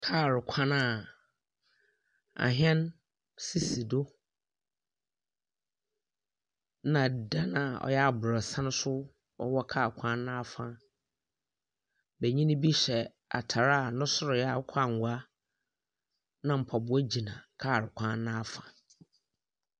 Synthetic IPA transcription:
kʰaː˦˨ɾɪ˨kʷʰã˦na˦˨ | a̰˨ɦɛ̃˦n | si˦si˨do˦ | nã˨da˦nã˨ɔ̰˨jɛ˦a˨bʊ˨ɾɔ˨sã˦nʊ̃˦sʊ˦ | ɔ̰˦wɔ˦kʰa˦˨kʷʰã˦nːã˦a˨fã˦ | bɛ˨ɲĩ˦ñ˦bi˦ɕɛ˨ | a̰˨tʰa˨ɾa˦˨nʊ̃˦sʊ˦ɾɪ˨jɛ˦a˨˦kʷʰa˦˨ŋ̩˨ɡʷa˦ | nã˦m̩˨pʰɔ˨bʊ˨˦ɔ˦d͡ʑi˨nã˨kʰaː˦˨ɾɪ˨kʷʰã˦nnã˦a˦fã˨

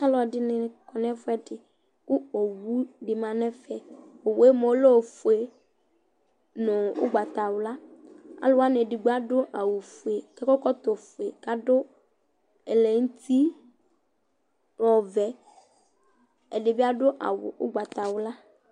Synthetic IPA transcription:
a˦lɔ˨dɪ˦nɪ˨kɔ˨nɛ̃˦fʊ˦ɛ˦dɪ˨ | kʊ˦o˨wu˦ɖɪ˨mã˨nɛ̃˦fɛ˨o˨we˦mo˨˦lo˦˨fu˨e˨ | nɔ̃˨ʊ̰˦ɡ͡ba˨t̪a˨wʊ˨la˦a̰˦lʊ˦wa˦n˨e˨dɪ˨ɡ͡ba˦dʊ˦ʔa˨wu˨fu˨e˨kɛ˦kɔ˦kɔ˦t̪o˨fu˨e˨ka˦dʊ˦ | ɛ˨lɛ˨ŋ̩˦t̪i˦ | ɾɔ˨vɛ˨ | ɛ˨ɖɪ˨bɪ˦a˦ɖʊ˦ʔa̰˨wʊ̰˨ʔʊ̰˦ɡ͡ba˨t̪a˨wʊ˦la˦

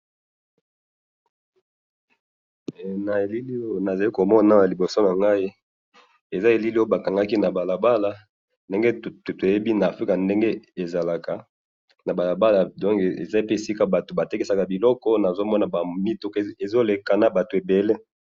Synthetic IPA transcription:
na˨e˨li˦li˦o˦˨na˨za˨li˦ko˨mɔ˦na˦˨li˨bo˨so˦na˨ŋɡa˦i˦ | e˨za˦e˨li˦li˦o˦o˦ba˨ka˨ŋɡa˦ki˦na˨ba˨la˨ba˦la˨ | nde˦ŋɡe˦tto˨je˦bi˦na˨fʁi˦ka˨nde˦ŋɡe˦e˨za˨la˨ka˨ | na˨ba˨la˨ba˦la˨dɔ̃˦ŋkḛ˨za˦i˦pe˦e˨si˦ka˨ba˨to˨ba˨te˦ke˦sa˨ka˨bi˨lɔ˦kɔ˦na˨zo˦mɔ˦na˨ba˨mi˦to˦ke˨zo˦le˨ka˨na˨ba˨to˨e˨be˨le˦

